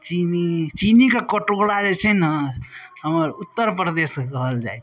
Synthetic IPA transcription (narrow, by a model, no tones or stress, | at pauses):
t͡ʃinit͡ʃinikekəʈoɽad͡ʒet͡ʃʰɛnə | ɦəməɾut̪ːəɾpɾəd̪eskəɦəld͡ʒa̰j